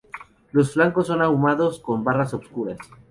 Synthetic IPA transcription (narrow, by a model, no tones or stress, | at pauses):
lo̞sflaŋkosːo̞naumaðo̞sko̞mbarasopskuɾas